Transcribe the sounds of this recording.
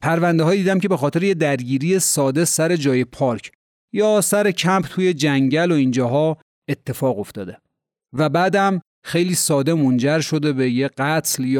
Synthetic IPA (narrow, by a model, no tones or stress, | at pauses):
pʰæɾvænd̪eɦɒːjid̪iːd̪æmce̞be̞xɒːt̪ʰeɾejed̪æɾɟiːɾije̞sɒːd̪e̞sæɾe̞d͡ʒɒːje̞pʰɒɾkʰ | jɒːsæɾe̞cʰæmpʰt̪ʰuːje̞d͡ʒæŋɟæloind͡ʒɒːɦɒː | e̞t̪ʰːe̞fɒːɣo̞ft̪ɒːd̪e | væbæːd̪æm | xe̞jliːsɒːd̪e̞mond͡ʒæɾʃo̞d̪e̞bejeɢæt̪ʰljː